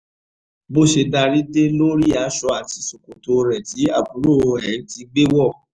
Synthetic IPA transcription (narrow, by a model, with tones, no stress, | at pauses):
bo˦˨ʃe˧da˧ɾi˦de˦lo˦ɾi˦a˧˦ʃɔ˧a˨ti˧so˨ko˨to˧ɾɛ˨ti˨˦a˦˨bu˨˦ɾo˦˨o˧ɛ˨˦ti˨˦ɡ͡be˦wɔ˦˨